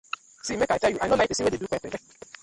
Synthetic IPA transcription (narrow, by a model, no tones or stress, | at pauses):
simɛkatɛjuanolatesĩɛdedukɛfɛlɛ